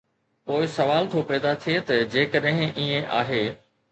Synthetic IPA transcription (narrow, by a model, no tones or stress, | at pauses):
poːɪsɐʋaːlt̪ʰopɛːd̪at̪ʰiet̪ɐd͡ʑeːkəɗɦɪ̃ʔiːẽʔa̰ːɦeː